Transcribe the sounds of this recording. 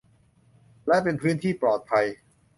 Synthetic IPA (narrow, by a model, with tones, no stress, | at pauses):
lɛ˦˥pe˧npʰɾɯː˦˥nt̪ʰiː˥˩pɾɔː˨˩t̪̚pʰa˧j